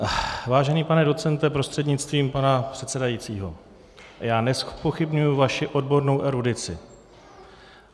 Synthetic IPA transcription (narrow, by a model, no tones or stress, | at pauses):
vaːʒɛniːpanɛdo̞t̪t͡sɛnt̪ɛpɾo̞st̪r̥ɛdɲɪtt͡st̪viːmpanapr̝̥ɛt̪sɛdajit͡siːɦo̞̰ | jaːnɛspo̞xɪbɲujʊvaʃɪʔo̞dbo̞ɾno̞wʔɛɾudɪt͡sɪ